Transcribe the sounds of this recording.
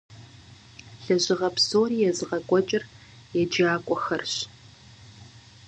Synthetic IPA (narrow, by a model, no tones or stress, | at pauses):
ɬɐʑɪʁɐpsoːriːjɛzɨʁɐkʷʼɔt͡ʃʼɪr | jɛd͡ʒaːkʷʼɔxɐrɕ